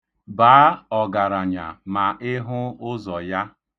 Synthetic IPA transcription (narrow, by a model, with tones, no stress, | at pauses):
baː˨˦ɔ˨ɡa˨ɾa˨ɲa̰˨ma˨ʔɪ˦ɦʊ˦ʊ˦zɔ˨ja˦